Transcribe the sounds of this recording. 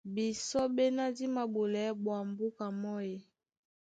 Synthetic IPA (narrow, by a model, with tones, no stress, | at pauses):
bi˨sɔ˦be˦na˦di˦ma˨bo˨lɛ˨˦bwa˨mbu˦ka˨mɔ˦je˨